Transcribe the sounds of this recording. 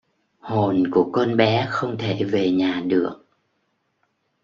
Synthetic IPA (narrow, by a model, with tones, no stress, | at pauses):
ho˨˩nku˧˩əkɔ˧nɓɛ˨˦xə˧wŋ͡mt̪ʰe˧˩ve˨˩ɲaː˨˩ɗɨ˨˩ək̚